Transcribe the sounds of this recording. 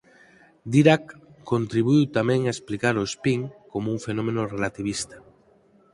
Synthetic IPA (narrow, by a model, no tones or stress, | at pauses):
d̪iɾakːont̪ɾiβuijwt̪amɛ̃ŋaesplikaɾoespiŋkomouŋfenõmẽnorelat̪iβ̞ist̪ḁ